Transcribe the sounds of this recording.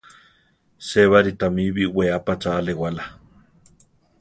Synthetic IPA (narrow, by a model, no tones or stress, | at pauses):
seβaɾit̪amiβiweapat͡ʃaːlewala